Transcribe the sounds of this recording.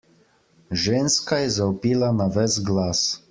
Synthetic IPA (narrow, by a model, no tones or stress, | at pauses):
ʒeːnskajɛzawpiːlanaʋɛsɡlaːs